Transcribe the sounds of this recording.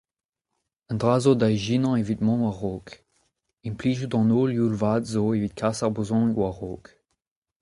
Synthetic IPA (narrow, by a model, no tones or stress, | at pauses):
ɛ̃ndʁaːzod̪ajʒinɑ̃evitmɔ̃waʁoːk | ĩmpliːʒud̪ɑ̃noːlulvadzoeviːt̪̚kʰasaʁbʁəzɔ̃nkwaʁo̰ːk